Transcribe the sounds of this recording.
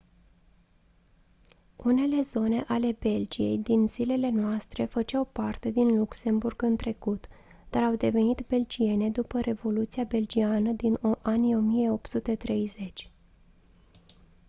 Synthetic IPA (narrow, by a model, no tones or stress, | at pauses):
une̞le̞zo̞ne̞ʔale̞be̞ld͡ʒije̞̰jd̪inz̥ile̞le̞noast̪ɾe̞fət͡ʃawpart̪e̞d̪inlukse̞mburɡɨnt̪ɾe̞kut̪ | d̪̥aɾawd̪e̞ve̞nit̪be̞ld͡ʒie̞ne̞d̪upəɾʔe̞vo̞lut̪sijabe̞ld͡ʒianəd̪inoʔanio̞mije̞o̞p̚t̪sut̪e̞t̪ɾe̞jze̞t͡ʃʲ